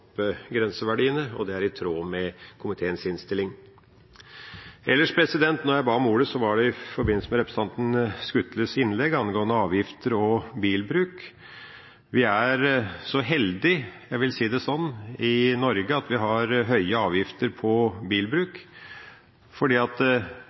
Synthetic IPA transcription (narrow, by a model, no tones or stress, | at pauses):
pːɡɾɛnsəʋæɖiːənəɔ̰d̪ɛæɾɪt̪ʰɾoːmɛkʰʊmɪt̪ʰeːənsɪnst̪ɪlɪŋ | ʔɛlːəʂpʰɾɛsɪd̪ɛnt̪nɔɾjæɪbɑːmuːɖ̪əsɔʋɑɖɛɪfɔɾbɪnl̩səmɛɾɛpɾəst̪ɑnt̪n̩skʉt̪ləsɪnːlɛɡɑnɡoːənəɑːʋjɪft̪əɾɔbiːlbɾʉːk | ʋɪæɾsɔɦɛld̪ɪjæɪʋɪlsiːd̪ɛsɔnːɪnɔɾɡəɑt̪ʋɪɦɑɾɦœʏəɑːʋjɪft̪əɾpʰɔbiːlbɾʉːk | fɔɖiːɑt̪